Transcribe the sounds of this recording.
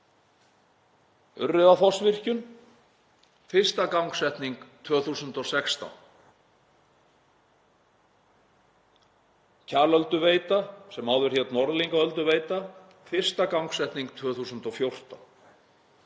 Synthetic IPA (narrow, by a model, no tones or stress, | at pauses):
ʏrːɪðafɔsvɪr̥cʏn | fɪr̥st̪akawŋksɛht̪niŋkt̪ʰvœːθusʏnt̪ɔsɛkst̪a̰n | cʰaːlœlt̪ʏveːjt̪asɛmaːwðʏɾ̥hjɛt̪nɔɾðliŋkaœlt̪ʏveːjt̪a | fɪr̥st̪akawŋksɛht̪niŋk̚t̪ʰvœːθusʏnt̪ɔfjowr̥t̪a̰n